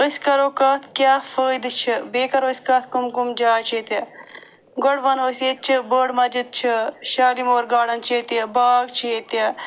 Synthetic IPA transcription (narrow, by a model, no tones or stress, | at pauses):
əskɐɾoːkɐt̪ʰkjaːfəːd̪t͡ʃʰibeːkɐɾoːsʲkɐt̪ʰkumkumd͡ʒaːt͡ʃʰet̪ɐ | ɡoɽʋɐnoːset̪̚t͡ʃʰibəːɽmɐd͡ʒɨt̪̚t͡ʃʰiʃaːlimoːɾɡaːɽɐnt͡ʃʰit̪ɐbaːɡt͡ʃʰiet̪ɐ